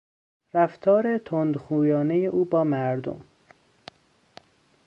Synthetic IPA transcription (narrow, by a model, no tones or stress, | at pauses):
ɾæft̪ʰɒːɾet̪ʰond̪xuːjɒːnejeʔuːbɒːmæɾd̪o̰m